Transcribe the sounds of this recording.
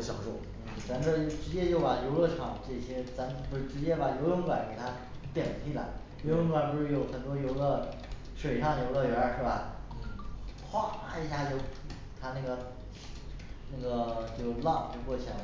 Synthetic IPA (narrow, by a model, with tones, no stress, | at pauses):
ɕjɑ̰˨˩ŋʂo˥˩ʊn̩˥˩t͡sa˧˥nɡə˥˧ʈ͡ʂɻ̩˧˥t͡ɕjɛ˥t͡ɕjo˥˩ʊpa˨˩jo˧˥ʊlə˥˩ʈ͡ʂʰɑ̰˨˩˦ŋʈ͡ʂɤ˥˩ɕjɛ˥t͡sa˧˥n˧pu˧˥ɻ̩˥˩ʈ͡ʂɻ̩˧˥t͡ɕjɛ˥pa˨˩jo˧˥ʊlə˥ŋkwa˧˩˥nke˨˩ɪt̪ʰa˥ | t̪jɛ˨˩nt̪ʰi˥˩la̰˧˥ɪ | jo˧˥ʊlə˥ŋkwa˧˩npu˧˥ʂɻ̩˥˩jo˧˩ʊxə˨˩nt̪wɔ˥jo˧˥ʊlə˥˧ | ʂwe˨˩ɪʂɑ˥˩ŋjo˧˥ʊlə˥˧ɥɛ˧˥ʂɻ̩˥˩bɐ˨˩n̩˥˩xʰwa˥˩˥i˧˥ɕja˥˧t͡ɕjo˥˧ʊ | t̪ʰa˥na˥˩ɡə˩ | na˥˩ɡə˩t͡ɕjo˥˧ʊlɑ˥˧ŋt͡ɕjo˥˧ʊkwɔ˥˧˩t͡ɕʰi˥˩˥